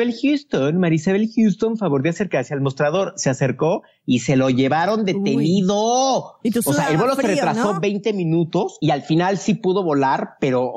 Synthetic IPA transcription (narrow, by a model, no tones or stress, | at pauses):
elxjust̪onmaɾisaβelxjust̪o̞nfaβo̞ɾjoaseɾkasjalmo̞st̪ɾaðo̞ɾsease̞ɾko̞ | ise̞lo̞ʝe̞βaɾo̞nd̪e̞t̪e̞niðo | soseaelβe̞lo̞seret̪ɾaso̞βe̞jnt̪e̞mĩnut̪o̞sialfinalsipuð̞o̞βo̞laɾpe̞ɾo̞